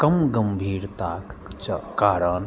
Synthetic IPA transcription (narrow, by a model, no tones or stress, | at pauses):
kɐmɡəmbʱiːɾt̪akt͡ʃkaːɾən